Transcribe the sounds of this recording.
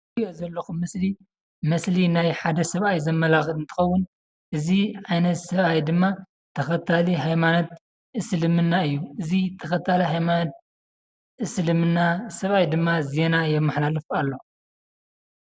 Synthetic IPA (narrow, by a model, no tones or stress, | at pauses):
ozɐlːɐxumɐsli | mɐslinajħad̪ɐsɐβʔajzɐmːɐlaxɨlɨnt̪ʰɨ̥xɐwːʊn | ʔɨziʕajnɐt̪sɐβajd̪ɨmːa | t̪ʰɐxɐt̪ʰaliɦajmanot̪̚ | ʔɨslɨmɨnːaɨjːuɨzit̪ʰɐxɐt̪ʰaliɦajmanot̪̚ | ʔɨslɨmɨnːasɐβajd̪ɨmːaze̞najɛmːɐħlalɨfalːo